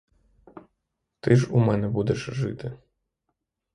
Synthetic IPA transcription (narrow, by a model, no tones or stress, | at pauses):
t̪ɨʐumɛnɛbud̪ɛʂʐɪt̪ɪ